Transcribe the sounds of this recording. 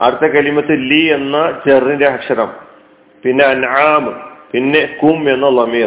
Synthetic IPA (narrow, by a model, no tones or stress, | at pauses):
ɐ̰ɽt̪ʰːɐkɐlimɐt̪ːilienːɐt͡ɕerːindeɦɐkʂɐɾɐ̰m | pinːe̞ɐnʕaːmɨpinːe̞kume̞nːɐlɐmiː